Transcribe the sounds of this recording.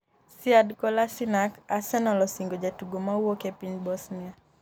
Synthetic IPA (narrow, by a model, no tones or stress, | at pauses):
siadkɔlasinakasɛnɔlɔsiŋɡɔd͡ʒatuɡɔmauɔkɛpinbɔsnia